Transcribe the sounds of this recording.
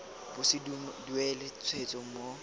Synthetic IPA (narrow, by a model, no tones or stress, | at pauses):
b̥ʊsɪdduɛlet͡sʰwet͡sʼɔm̩mo